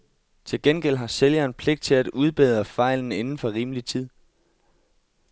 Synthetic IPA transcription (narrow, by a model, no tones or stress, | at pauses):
t͡sʰe̝lɡ̥enɡ̥el̰ɦɑ̈seljɐːnpʰleɡ̥d̥̚t͡sʰe̝læd̥uð̞ˠb̥eːð̞ˠɐfɑ̈ɪln̩e̝nn̩fɒ̽ʁiːməlit͡sʰið̞̰ˠ